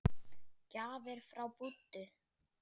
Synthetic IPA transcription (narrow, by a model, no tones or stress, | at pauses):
caːvɪɾ̥fɾawput̪ːʏ